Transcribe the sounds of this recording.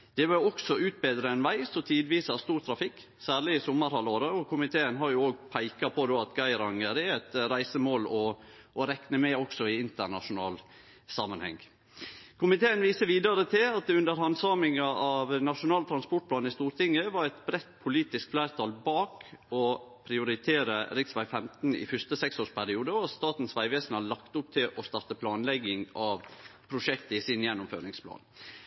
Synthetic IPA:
d̪̥ɛʋɑɔksɔʉːt̪̚beːd̪ɾəɛnʋæɪsɔt̪ʰiːd̪ʋiːsɑst̪uːɾt̪ʰɾɑfɪkː | sæːɭɪɪsɔmːəɾhɑloːɾəɔkʰʊmɪt̪ʰeːənɦɑɾjʊoːɡ̚pʰæɪkɑpʰɔd̪oːɑt̪ɡɑɪɾɑŋəɾɛæt̪ɾæɪsəmoːlɔʔːɾɛknəmɛɔksɔɪɪnt̪əɾɳɑ̰ʂʊnɑ̰ːl | sɑːmənhɛ̰ŋ | kʰʊmɪt̪ʰeːənʋiːsəʋiːd̪ɑɾət̪ʰɪlɑt̪̚d̪ɛʉnd̪əɾhɑnsɑːmɪŋɑɑʋnɑʂʊnɑːlt̪ʰɾɑnspɔʈplɑːnɪst̪uːɾt̪ɪŋəʋɑɾɛt̪bɾɛt̪pʰʊliːt̪ɪskflæɪɾt̪ʰɑːlbɑːkɔpʰɾɪʊɾɪt̪ʰeːɾəɾɪksʋæɪfɛmt̪n̩ɪ̰fœst̪əsɛksoːʂpʰæɾɪuːd̪əɔɑst̪ɑːt̪n̩sʋæɪʋeːsn̩hɑɭɑkt̪ʊp̚t̪ʰɪlʔɔst̪ɑɾt̪əpʰlɑːnlɛɡɪŋɑʋpʰɾʊʂɛkt̪əisɪnjɛnːʊmfø̰ːɾɪŋspʰlɑ̰ːn

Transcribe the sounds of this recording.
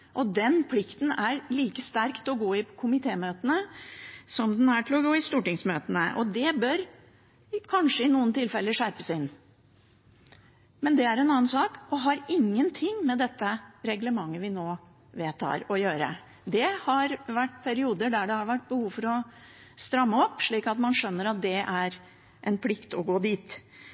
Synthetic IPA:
ʔɔd̪ɛnpʰlɪkt̪n̩æɾliːkəst̪æɾkt̪ɔɡoːɪpkʰʊmɪt̪ʰeːmøːt̪ənə | sɔmd̪ɛnæʈʰɪlɔɡoːɪst̪uːʈɪŋsmøːt̪ənəʔɔd̪ɛbœɾ | kʰɑnʂəɪnuːənt̪ʰɪlfɛlːəʂæɾpə̥sɪnː | mɛnd̪ɛæɾɛnɑːənsɑːkɔɦɑɾɪŋːənt̪ʰɪŋːmɛd̪ɛt̪ːəɾɛɡləmɑŋːəʋɪnoː | ʋeːt̪ʰɑ̰ːɾɔjøːɾə̰ | d̪ɛhɑɾʋæʈːpʰæɾɪuːd̪əɖæɖɛhɑɾʋæʈ̚ːbəhuːʋfɔɾɔ | st̪ɾɑmːəɔpːʂɭiːkɑt̪mɑnʂœnːəɾɑt̪̚d̪ɛʔæɾ | ʔɛnpʰlɪkt̪ɔɡoːd̪iːt̪

